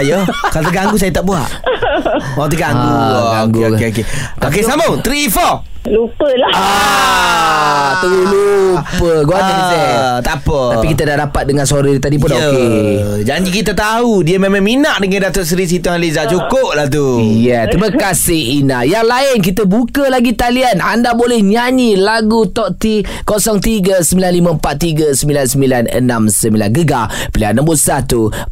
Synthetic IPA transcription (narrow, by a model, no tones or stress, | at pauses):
ajəkalot̪əɡaŋɡus̬ajət̪aʔbua̰ʔ | oaŋt̪əɡaŋuaŋɡokeoke | ok̬esamot̪ɾifɔ | lupəlaa | t̪əulupəɡoaaset̪apət̪apikit̪adahdapat̪̚dəŋansoɾit̪adip̬ʊndaoe | d͡ʒaɲd͡ʒikit̪̬at̪aɦudiəmemãŋminaʔdəŋandat̪oʔsəɾis̬it̪ʊhalizaʔt͡ʃukop̚laht̪ujɛt̪ɾiməkasɪhinajaŋlaɪnk̬it̪əbukəlaɡit̪alianandabolɛhɲaɲilaɡut̪ɔʔt̪i | kosɔŋt̪iɡəsəmbilanlimə̃mpat̪̚t̪iɡəsəmbilansəmbilanə̰nãmsəmbila̰nɡəɡapəlianãmbusat̪u